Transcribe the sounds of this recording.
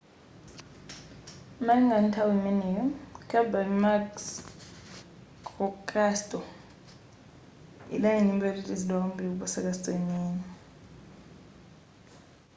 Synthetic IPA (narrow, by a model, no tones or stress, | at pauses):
maŋan̩tʰawimɛnɛjɔkʰʼabamaks | kʰɔkʼastʼɔ | ḭlaŋinimbɛlelʼizilɔmbʱiuɓɔsakʼastʼeniːni